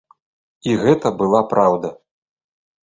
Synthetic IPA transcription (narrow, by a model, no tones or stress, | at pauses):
iɣɛt̪ɐbɨlˠapɾawd̪ɐ